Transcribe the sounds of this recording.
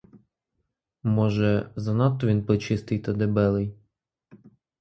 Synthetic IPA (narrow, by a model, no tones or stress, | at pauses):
mɔʒɛzɐnɑt̪ːɔʋʲinpɾet͡ʃɪst̪ɪjt̪ɐd̪ebɛlˠɪj